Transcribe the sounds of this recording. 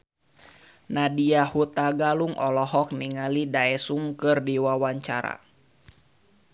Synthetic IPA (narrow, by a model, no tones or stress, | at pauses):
nadiahut̪aɡaluŋʔɔlɔɦɔk̚niŋalidaɛsuŋkɨrdiwawaɲt͡ʃaɾa̰